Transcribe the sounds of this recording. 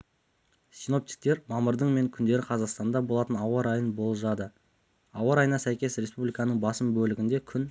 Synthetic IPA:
sijno̞p̚t̪i̥k̚t̪e̞ɾmɑməɾd̪əɴme̞ŋkʲʰʏnd̪e̞ɾɪqʰɑzɑqst̪ɑnd̪ɑbo̞lˠɑt̪ənɑwɑɾɑjənbo̞lˠʒɑd̪ə | ɑwɑɾɑjənɑsæjkʲe̞sɾʲe̞spublʲijkɑnəɴbɑsəmbɵlɪɡʲɪnd̪e̞kʲʰʏn

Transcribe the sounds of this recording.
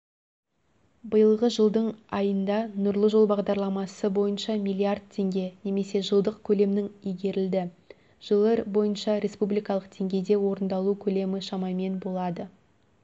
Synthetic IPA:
bəjəlˠʁəʒəlˠd̪əɴɑjənd̪ɑnʊɾlˠəʒo̞lˠbɑʁd̪ɑɾlˠɑmɑsəbo̞jənʃɑmijlʲˠiard̪̚t̪ʰe̞ŋɡʲe̞ne̞me̞se̞ʒəlˠd̪əqkʲʰɵle̞mnɪŋijɡʲe̞ɾɪld̪ɪ | ʒ̥əlˠəɾbo̞jənʃɑɾʲe̞spublijkɑlˠəqt̪ʰe̞ŋɡʲe̞jd̪e̞wo̞ɾənd̪ɑlˠukʲʰɵle̞mɪʃɑmɑjme̞nbo̞lˠɑd̪ə

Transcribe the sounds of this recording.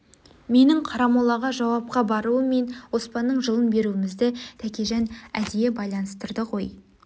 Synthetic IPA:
me̞nɪŋqʰɑɾɑmɑlˠɑʁɑʒɑwɑp̚qɑbɑɾuəmːe̞nwo̞spɑnːəɴʒəlˠənbe̞ɾuɪmɪzd̪ɪt̪ʰækʲe̞ʒænæ̰d̪eje̞bɑjlˠɑnəst̪əɾd̪əqʰo̞j

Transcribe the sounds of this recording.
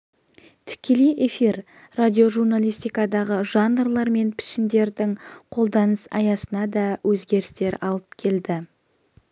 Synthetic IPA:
t̪ʰɪ̥kʲe̞lejʔe̞fiɾ | rad̪ʲio̞ʒurnalˠijst̪ijkɑd̪ɑʁəʒɑnrlˠɑɾme̞npʰɪ̥ʃɪnd̪e̞ɾd̪ɪŋqʰo̞lˠd̪ɑnəsɑ̰jɑsənɑd̪ɑwʔɵzɡʲe̞ɾɪst̪e̞ɾɑ̰lˠəpkʲʰe̞ld̪ɪ

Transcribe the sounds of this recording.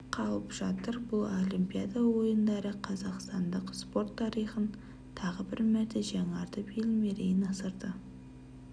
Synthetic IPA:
qʰɑlˠəpʒ̥ɑt̪əɾbʊlˠolʲimpʲijad̪awo̞jənd̪ɑɾəqʰɑzɑqst̪ɑnd̪əqspo̞ɾt̪ʰːɑɾijχən | t̪ʰɑʁəbɪɾmæɾt̪eʒɑŋɑɾt̪əbelme̞ɾejɪnɑsəɾd̪ə

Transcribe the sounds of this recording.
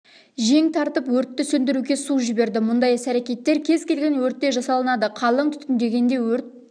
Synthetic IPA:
ʒe̞ŋt̪ʰɑɾt̪əpwɵɾt̪ːɪsɵnd̪ɪɾuɡʲe̞suʒɪbe̞ɾd̪ɪmʊnd̪ɑjɪsæɾekʲe̞t̪ːe̞ɾkʲʰe̞zkʲʰe̞lɡʲe̞nwɵɾt̪ːe̞ʒɑsɑlˠənɑd̪əqʰɑlˠəɴt̪ʰʏ̥t̪ɪnd̪e̞ɡʲe̞nd̪e̞wɵɾt̪̚

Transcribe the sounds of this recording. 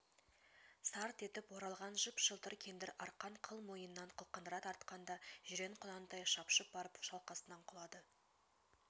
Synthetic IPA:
sɑɾt̪e̞t̪ɪpwo̞ɾɑlˠʁɑnʒʊpʃəlˠt̪əɾkʲʰe̞nd̪ɪɾɑɾqɑɴqʰəlˠmo̞jənːɑɴqʰəlˠqənd̪əɾɑt̪ɑɾt̪qɑnd̪ɑʒ̥ʏɾe̞ɴqʰʊnɑnt̪ɑjʃɑpʃəp̚bɑɾəpʃɑlˠqɑsənɑɴqʰʊlˠɑd̪ə

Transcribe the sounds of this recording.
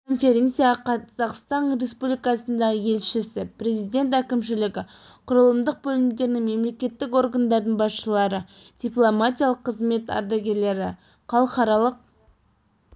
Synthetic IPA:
kʰo̞nfʲe̞ɾʲe̞nt̪sijɑqʰɑz̥ɑqst̪ɑnɾe̞spublijkɑsənd̪ɑʁəje̞lʃɪsɪpɾe̞zijd̪ʲe̞nt̪̬ækʲɪmʃɪlɪɡʲɪ | qʰʊɾəlˠəmd̪əq̚bɵlɪmd̪e̞ɾɪnɪŋme̞mle̞kʲe̞t̪ːɪko̞rɡand̪ɑɾd̪əɴbɑsʃəlˠɑɾə | d̪̥ʲijplˠomat̪ʲijɑlˠəqʰːəzme̞t̪ɑ̰ɾd̪ɑɡʲe̞ɾle̞ɾɪ | qʰɑlˠəqɑɾɑlˠəq̚

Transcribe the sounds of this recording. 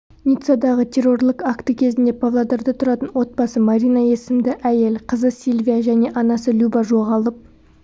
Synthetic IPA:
nʲit̪sad̪ɑʁət̪ʰe̞rːo̞rlˠɪkakt̪əkʲʰe̞zɪnd̪e̞pʰavlˠod̪ɑɾd̪ət̪ʰʊɾɑt̪ənwo̞t̪̚bɑsəmaɾʲijnɑje̞sɪmd̪ɪʔæje̞lqʰəzəsʲilʲvʲijaʒæne̞ʔɑnɑsəlʲubɑʒo̞ʁɑlˠəp̚

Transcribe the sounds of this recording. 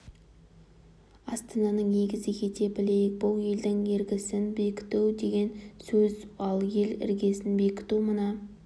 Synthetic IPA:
ɑst̪ɑnɑnəɴne̞ɡʲɪzɪkʲʰe̞t̪e̞bɪle̞jɪk̚bʊlˠje̞ld̪ɪŋje̞ɾɡʲɪsɪnbekʲɪ̥t̪uwd̪e̞ɡʲe̞nsɵzɑlˠje̞lɪ̰ɾɡʲe̞sɪnbekʲɪ̥t̪uwmənɑ

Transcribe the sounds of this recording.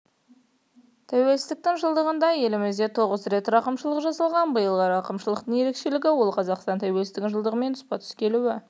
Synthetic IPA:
t̪ʰæwe̞lsɪst̪ɪk̚t̪ɪŋʒəlˠd̪əʁənd̪ɑje̞lɪmɪzd̪e̞t̪ʰo̞ʁəzɾe̞t̪ɾɑqəmʃəlˠəqʒɑsɑlˠʁɑnbəjəlˠʁɑɾɑqəmʃəlˠəq̚t̪əɴje̞ɾe̞kʃe̞lɪɡʲɪwo̞lˠqʰɑzɑqst̪ɑnt̪ʰæwe̞lsɪt̪ɪʒəlˠd̪əʁəme̞nʊspɑt̪ʰʏ̥skʲe̞luwɪ

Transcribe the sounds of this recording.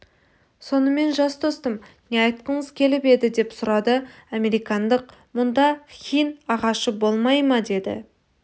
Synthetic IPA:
so̞nəme̞nʒɑsd̪ost̪əmneɑjt̪̚qəɴəzkʲʰe̞lɪpe̞d̪ɪd̪e̞psʊɾɑd̪əɑme̞ɾijkɑnd̪əq̚mʊnd̪ɑχʲijnɑʁɑʃəbo̞lˠmɑjmɑd̪e̞d̪ɪ̰

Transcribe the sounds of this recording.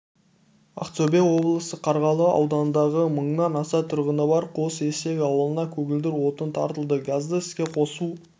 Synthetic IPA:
a̰kt̪obewo̞blˠəsəqʰɑɾʁɑlˠəɑ̰wd̪ɑnənd̪ɑʁəməɴnɑnɑsɑt̪ʰʊɾʁənəbɑɾqʰo̞se̞se̞ɡʲɑwəlˠənɑkʲʰɵɡʲɪld̪ɪɾwo̞t̪ənt̪ʰɑ̰ɾt̪əlˠd̪əɡazd̪əɪskʲe̞qʰo̞su

